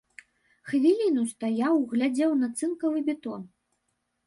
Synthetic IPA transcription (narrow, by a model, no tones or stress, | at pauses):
xvʲilʲinust̪ajawɣlʲad͡zʲɛwnat̪sɨnkɐvɨbʲɛt̪ɔn